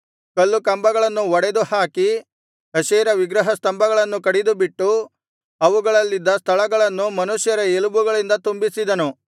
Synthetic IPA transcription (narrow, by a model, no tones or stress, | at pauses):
kɐlːukɐmbɐɡɐɭɐnːuɔɽed̪uhaːki | ɦɐʃeːɾɐʋiɡɾɐɦɐst̪ɐmbɐɡɐɭɐnːukɐɽid̪ubiʈːu | ɐʋuɡɐɭɐlːid̪ːɐst̪ʰɐɭɐɡɐɭɐnːumɐnuʃjɐɾɐelubuɡɐɭind̪ɐt̪umbisid̪ɐnu